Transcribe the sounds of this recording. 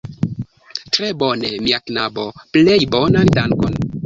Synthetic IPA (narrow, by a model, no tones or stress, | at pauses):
tɾebonemiaknaboplejbonantaŋkon